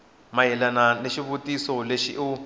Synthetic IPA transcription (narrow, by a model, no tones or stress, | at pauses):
maɛlananeʃiβutʼisɔleʃiʔu